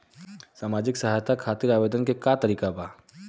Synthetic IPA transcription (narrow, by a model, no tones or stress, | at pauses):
saːmaːd͡ʒɪksɐɦaːjt̪ʰakʰaːt̪ɪɾaːʋeːd̪ənkekat̪ɐɾiːkabaː